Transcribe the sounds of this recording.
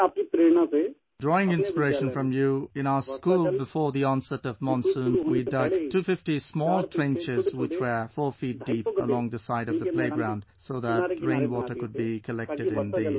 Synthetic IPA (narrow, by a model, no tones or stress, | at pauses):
aːp̚kit̪ɾeːnãse | dɹɔɪ̃ŋɪ̃nspəɹeɪʃə̃nfɹʌ̃mjuɪ̃ñaʊə˞sskuːlˠbɨfɔɹðiɔ̃nsɛɾʌvmɔ̃nsũnwidʌɡtʰufɪftismɔːlˠtʰɹ̥ɛ̃nt͡ʃɪzwɪt͡ʃwə˞fɔɹfit̚d̥ipə̰lɔ̃ŋðəsaɪɾʌvðəpʰleɪɡɹãʊ̃nd̥ | soʊðətɹẽɪ̃nwɔtə˞kʊd̚bikʰəlɛk̚ttɨɾɪ̃nði